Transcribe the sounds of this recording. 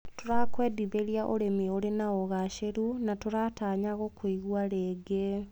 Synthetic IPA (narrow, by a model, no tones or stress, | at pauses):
toɾakwɛːdiβeɾiaʔoɾemioɾenaɔɣaʃeɾunatoɾataɲaɣokwiɣwaɾeːɡe